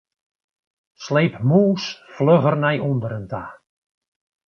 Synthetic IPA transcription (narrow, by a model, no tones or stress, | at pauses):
sleːpmuːsfløɣərnɛjɔndəɾəntaː